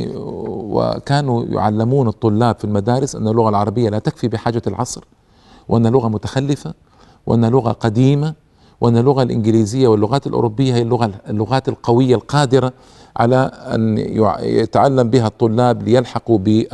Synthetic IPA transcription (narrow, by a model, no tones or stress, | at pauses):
wɪ̰kaːnujʊ̰ʕa̰lːɪmuːnɑt̪ˤːʊlːaːbfilmad̪aːɾɪsʔa̰nːalːʊɣalʕɑɾˤɑbɪjːalaːt̪akfibɪħaːd͡ʒalʕɑ̰sˤɾ | wʔanːhalʊɣamʊt̪ḁxalːɪfa | wʔanːhalʊɣa̰qɑd̪iːma | wʔanːalːʊɣalʔɪnɡɪliːzɪjːawɪlːʊɣaːt̪alʔṵɾʔubːɪjːahijːalːʊɣalːʊɣaːt̪alqɑwɪjːalqɑːd̪ɪɾa | ʕa̰laʔa̰nj̰ja̰t̪aʕalːambɪɦat̪ˤːʊlːaːblɪjalħɑqubɪ